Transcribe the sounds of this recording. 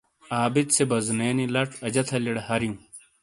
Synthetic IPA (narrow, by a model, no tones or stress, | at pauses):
aːbit̪sebɐzneːnilɐʈ͡ʂɐd͡ʑɐt̪ʰɐliɽɐhɐɾiũ